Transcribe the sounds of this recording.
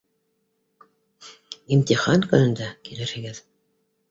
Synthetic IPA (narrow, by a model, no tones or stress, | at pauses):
imt̪iχɑnkɵ̆nɵ̆nd̪ækilɘ̆ɾhɘ̆ɡɘð